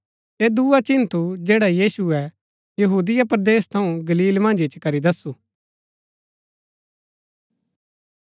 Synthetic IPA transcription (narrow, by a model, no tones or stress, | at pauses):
eːd̪uat͡ʃɪnt̪ud͡ʒeːɽajiːsuɛ | jɐɦuːd̪ɪjapɾɐd̪eːst̪ʰɐũɡɐliːlmɐ̃ːnd͡ʒɪt͡ʃkɐɾid̪ɐsuː